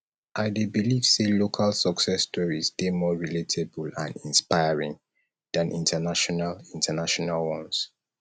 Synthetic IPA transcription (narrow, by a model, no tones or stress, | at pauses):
ʔaɪdebiliv̥selokʰalsɔksɛstɔɹisdemɔɹiletʰebulã̰nĩnspaɪəɹĩŋ | dãnʔḭ̃ntʰənaʃɔnalĩntʰənaʃɔnalwɔ̃ns